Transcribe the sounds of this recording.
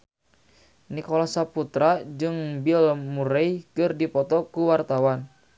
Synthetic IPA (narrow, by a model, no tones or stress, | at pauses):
nikolasaput̪ɾad͡ʒɨŋbilmuɾɛjkɨrdipɔt̪ɔkuwart̪awan